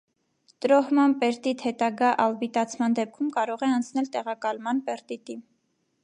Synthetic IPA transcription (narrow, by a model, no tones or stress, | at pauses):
t̪əɾɔhmɑnpɛɾt̪it̪ʰhɛt̪ɑɡɑʔɑlbit̪ɑt͡sʰmɑnd̪ɛp̚kʰumkɑɾɔʁɛɑnt͡sʰnɛlt̪ɛʁɑkɑlmɑnpɛɾt̪it̪im